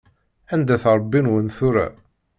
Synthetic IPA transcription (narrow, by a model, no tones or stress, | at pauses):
ænd̪æθɾˤbːinwənθuɾæ̰